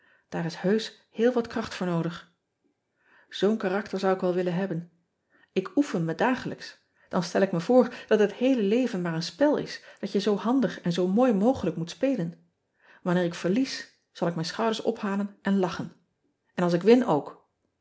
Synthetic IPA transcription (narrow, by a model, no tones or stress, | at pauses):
d̥aːɾɪshøɥs | hɪːlˠʋɑtkrɑχtfʊːɹnowdəχ | z̥ownkaːrɑktəɹzʌwɪkʋɛlˠʋɪlənɦɛbən | ɪkufənmədaːχələks | d̥ɑnstɛlɪkməvʊːɹd̥ɑtɦəthejləlejvənmaːɹənspɛlˠɪ̰sd̥ɑtjəzowɦɑndəχɛnzowmoːjmowχələkmutspejlən | ʋɑnɪːɹɪkfəɹlis | z̥ɑlˠɪkmɛjnsχɑwdəɹsɔ̰phaːlənɛnlɑχən | ɛnɑlˠsɪkʋɪnowk